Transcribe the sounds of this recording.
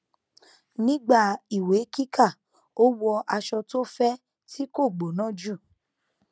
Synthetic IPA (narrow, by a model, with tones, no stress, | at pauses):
nĩ˦ɡ͡ba˦˨i˨we˨˦ki˦kʰa˦˨ | o˦wɔ˧ʔa˧ʃɔ˧to˦fɛ˦ | ti˦ko˦˨ɡ͡bo˨nã˦˨d͡ʒu˦˨